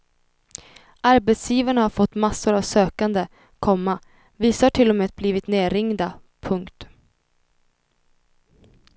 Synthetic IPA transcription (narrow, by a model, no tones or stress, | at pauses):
ʔaɾbɛt̪sjiːvaɳahaɾfɔt̪ːmasːʊɾavsøːkand̪ə | kʰɔmːa | viːsahʈʰɪlːɔmeːat̪̚bliːvɪt̪neːɾɪŋd̪a | pʰɵŋkt̪